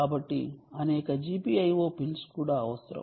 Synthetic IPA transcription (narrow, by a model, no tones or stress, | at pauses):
kaːbɐʈːḭɐnɛːkɐd͡ʒiːpiːɐjʋo̞ːpilskuːɽaːɐʋɐsɾɐ̰